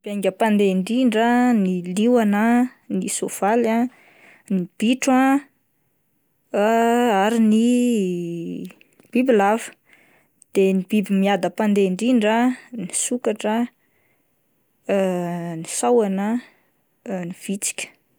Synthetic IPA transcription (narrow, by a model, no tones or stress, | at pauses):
b̥aj̃ŋɡʲəpand̪eɳɖ͡ʐiɳɖ͡ʐəniliwanənisov̥ala | nib̥iʈ͡ʂwã | aɾini | b̥ibilavə̥ | d̪̥enib̥ibimiad̪əpand̪eɳɖ͡ʐiɳɖ͡ʐənisukaʈ͡ʂə | nisawanə | niv̥it͡si̥kʲə̥